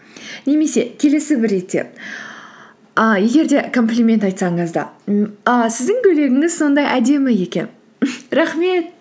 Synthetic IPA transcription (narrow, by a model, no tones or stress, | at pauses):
ne̞me̞se̞kʲʰe̞le̞sɪbɪɾːe̞t̪ːe̞̰ | əje̞ɡʲe̞ɾd̪e̞kʰo̞mplʲimʲe̞nt̪ɑjt̪sɑɴəzd̪ɑ̰əsɪzd̪ɪŋkʲʰɵle̞ɡʲɪŋɪzso̞nd̪ɑjʔæd̪e̞mɪje̞kʲe̞̰n | ɾɑχme̞t̪̚